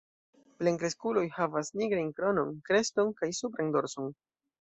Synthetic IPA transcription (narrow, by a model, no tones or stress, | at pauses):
pleŋkɾe̞skulo̞jhavasniɡɾajnkɾo̞no̞nkɾe̞sto̞nkajsupɾando̞ɾso̞n